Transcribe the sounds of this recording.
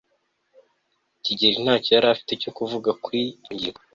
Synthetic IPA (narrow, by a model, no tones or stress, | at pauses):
ciɟeɾin̥aːcojaɾafi̥teco̞kuvuɡakwiɲɟia